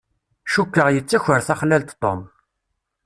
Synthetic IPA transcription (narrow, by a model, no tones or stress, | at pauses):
ʃukːəʁjət͡sːæçəɾθæχlælt̪t̪ˤːo̰m